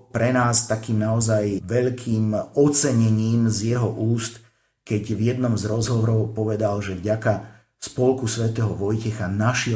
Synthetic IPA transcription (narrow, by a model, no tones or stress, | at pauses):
pɾɛnaːst̪akiːmnaɔzajʋɛʎkʰiːmɔt͡sɛɲɛɲiːmzjɛɦɔʔuːst̪ | kɛɟvjɛd̪nɔmzɾɔzɦɔʋɔɾɔʊpɔʋɛd̪alʒɛvɟaka | spɔlkusʋɛt̪ɛːɦɔʋɔjcɛxanaʃɛ